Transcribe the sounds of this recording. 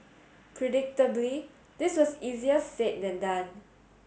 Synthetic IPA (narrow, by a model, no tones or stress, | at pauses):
pʰɹɛdɪk̚təbli | diswɔsiziəset̚dɛ̃ndãn